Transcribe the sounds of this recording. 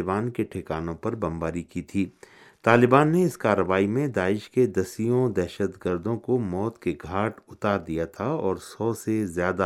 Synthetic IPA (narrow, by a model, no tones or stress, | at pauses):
baːnkeʈʰɪkaːnõpɐɾbɐ̃mbaːɾikit̪ʰiː | t̪aːlɪbaːnːeɪskaːɾːəʋaːimẽd̪aːɪʃked̪ɐsijõd̪ɛːʃət̪ɡəɾd̪õkomɔːt̪keɡʱaːʈʊt̪aːɾd̪ijat̪ʰaɔːɾsɔːsezjaːd̪a